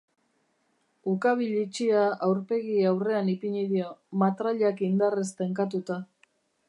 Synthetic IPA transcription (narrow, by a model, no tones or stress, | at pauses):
ukaβ̞iʎit͡ʃiaawɾpe̞ɣiawre̞anipiɲiðiomat̪ɾaʎakind̪arest̪eŋkat̪ut̪a